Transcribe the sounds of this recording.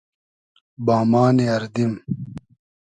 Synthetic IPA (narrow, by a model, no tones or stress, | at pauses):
baːmaːneɐɾd̪im